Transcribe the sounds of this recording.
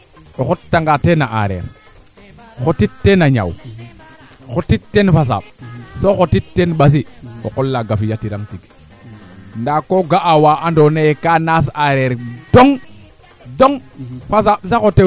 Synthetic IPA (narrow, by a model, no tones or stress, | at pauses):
oxottːaŋɡatenaʔa̰ɾḛɾ | xotittːenaɲa̰w | xotittːenfas̬a̰ɓsoxotittːenɓas̬io̰kolːaɡafijatiɾaŋtik | ndakoɡaʔawaʔandonejekanas̬aɾeɾdoŋ | doŋfas̬aɓsaxote